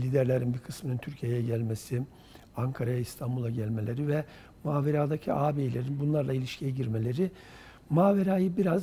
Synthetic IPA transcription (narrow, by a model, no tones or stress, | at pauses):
lʲid̪æɾlʲeɾinbikʰɯsmɯnɯnt̪ʰyɾcʰijejɛɟælʲmesi | aŋkʰaɾajaist̪ʰambulˠaɟælʲme̞lʲe̞ɾivɛ | maːveɾaːd̪acʰiʔaːbeːlʲeɾinbunlˠaɾlˠailʲiʃcʰijɛɟiɾme̞lʲe̞ɾɪ | maːveɾaːjɯbiɾaz